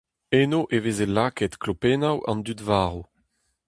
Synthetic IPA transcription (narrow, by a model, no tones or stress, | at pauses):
enoʔevezelaːkɛt̪klopenawɑ̰̃nd̪ydvaːʁo